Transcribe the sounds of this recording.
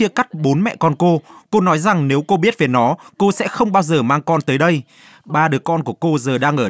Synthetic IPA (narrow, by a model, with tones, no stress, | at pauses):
i˧əka˦˥jk̚ɓo˨˦nmɛ̰˧˨kɔ˧nko˧ko˧nɔ˨˦jza˨˩ŋne˨˦wko˧ɓi˦˥ət̚ve˨˩nɔ˨˦ko˧sɛ̰˧˥xə˧wŋ͡mɓaː˧wzəː˨˩maː˧ŋkɔ˧nt̪əː˨˦jɗə˧j | ɓaː˧˩ɗɨ˨˩əkːɔ˧nku˧˩əko˧zəː˨˩ɗaː˧ŋʔəː˧˩